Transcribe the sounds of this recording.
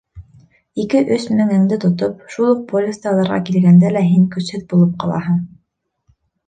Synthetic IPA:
ikɘʔɵsmɘ̆ŋɘ̆ŋd̪ɘt̪ŏt̪op̚ʃulˠuq̚polʲɪst̪ɑlˠɑɾʁɑ̰kilɡænd̪ælæɦiŋkɵ̆shɘðbulˠɤp̚qɑlˠɑ̰ɦɤɴ

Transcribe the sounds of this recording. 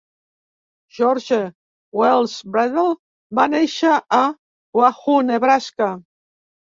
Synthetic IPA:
ʒ̥ɔɾʒe | wɛlˠzbɾɛðel | baneʃaʔː | waxuneβɾaska

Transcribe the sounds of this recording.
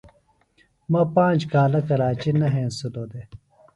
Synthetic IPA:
mapãːɲd͡ʑkaːlɐkɐɾaːt͡ɕinɐɦẽːnsuloːd̪e

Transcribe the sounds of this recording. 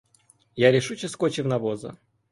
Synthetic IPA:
jaɾʲɪʂut͡ɕɪskot͡ɕɪvnɐvozə̰

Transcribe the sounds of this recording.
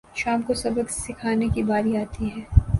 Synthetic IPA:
ʃaːmkosɐbəɡsɪkʰaːnekibaːɾiaːt̪iɦɛː

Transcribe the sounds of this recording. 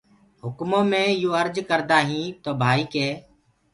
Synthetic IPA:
ɦʊkmõːmẽːɪjoːəɾd͡ʒkəɾd̪aːɦĩːt̪oːbʱaːiːkeː

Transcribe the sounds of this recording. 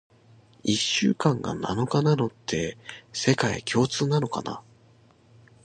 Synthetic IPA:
iɕːɨ̰ːkãŋɡa̰na̰no̞kanano̞t̪ʰːe̞se̞kaḛkʲʰo̞ːt͡sɨːnano̞ka̰na̰

